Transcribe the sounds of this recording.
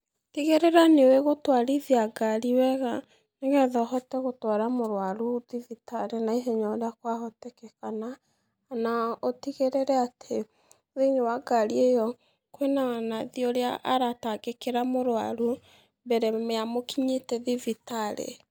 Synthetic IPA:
tiɣeɾɛɾaneweɣotwaɾiðjaɡaɾiwɛɣa | neɣɛðɔhɔtɛɣotwaɾamoɾwaɾuðivitaɾenaiɦeɲɔdakwaɦɔtɛkɛkanaː | naotiɣeɾeɾɛatʰe | ðeɲewaɡaɾiejɔ | kwenaanaðiɔɾeaʔaɾataɡekeɾamoɾwa̰ɾu | mbɛɾɛmeamokiɲetɛðivitaɾḛ

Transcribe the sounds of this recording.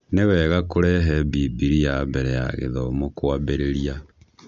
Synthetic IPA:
newɛɣakoɾɛɦɛbibiɾijabɛɾɛja̰ɣḛðɔmokwabeɾeɾia

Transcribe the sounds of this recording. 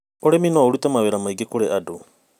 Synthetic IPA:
oɾeminoauɾutamaweɾamaiɡekoɾeʔadu

